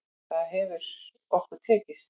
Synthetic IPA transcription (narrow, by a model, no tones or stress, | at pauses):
θaðɦɛvʏɾ̥ | ɔhkʏt̪ʰɛːcɪs